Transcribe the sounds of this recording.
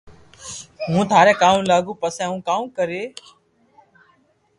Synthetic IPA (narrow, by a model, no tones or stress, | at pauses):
ɦũːt̪ʰaːɾɛ̃ːkaːũːlaːɡũːpəsɛ̃ːɦũːkaːũːkəɾeː